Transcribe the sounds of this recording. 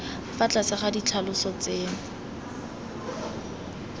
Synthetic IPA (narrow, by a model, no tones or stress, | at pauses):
fat͡ɬat͡saχadit͡ɬʰalʊsɔt͡seːŋ